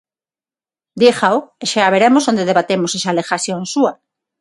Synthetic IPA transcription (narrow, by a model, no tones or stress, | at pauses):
d̪jexaweʃaβeɾemosond̪eðeβat̪emoseʃaːlexaθjonsua